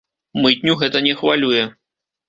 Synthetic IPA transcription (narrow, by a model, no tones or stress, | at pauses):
mɨt̪ʲnʲuɣɛt̪ɐnʲɛxvalʲujɛ